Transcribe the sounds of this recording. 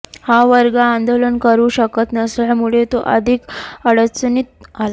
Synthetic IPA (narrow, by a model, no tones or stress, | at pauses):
haʋəɾɡaand̪olənkəɾuːɕəkət̪nəsljamuɭet̪oʔə̰d̪ʱikəɽət͡sənit̪̚ala